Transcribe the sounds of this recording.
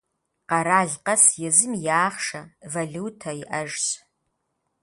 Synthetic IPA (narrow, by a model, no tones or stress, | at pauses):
qɐɾaːɮqɐsjɛzɨmjaːχʂɐvɐɮuːtʰɐiʔɐʒɕ